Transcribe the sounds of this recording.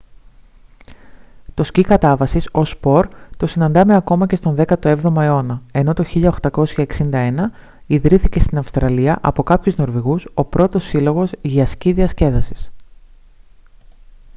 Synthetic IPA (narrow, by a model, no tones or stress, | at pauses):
t̪o̞scikɐt̪ɐvɐsiso̞spo̞ɾt̪o̞sinɐnd̪ɐme̞ɐko̞mɐce̞st̪o̞nðe̞kɐt̪o̞e̞vðo̞mɐeo̞nɐe̞no̞t̪o̞çiʎɐoxt̪ɐko̞sçɐeksind̪ɐe̞nɐ | iðɾiθice̞st̪inɐfst̪ɾɐliɐʔɐpo̞kɐpçuzno̞ɾviɣuso̞pɾo̞t̪o̞sːilo̞ɣo̞zʝɐsciðiɐsce̞ðɐsi̥s